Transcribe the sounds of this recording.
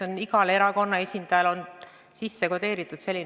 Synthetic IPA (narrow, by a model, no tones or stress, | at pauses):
oniɡɑle̞ɾɑko̞nːɑe̞sʲind̪̥ɑjɑlo̞n | sisːe̞kod̪e̞ːɾit̪ːˑud̪̥se̞lːin